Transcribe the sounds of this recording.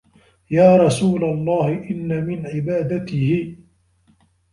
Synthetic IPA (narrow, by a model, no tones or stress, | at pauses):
jaːɾˤɑsuːlalˤːɑːhɪʔɪnːamɪnʕɪbaːd̪at̪ɪhɪ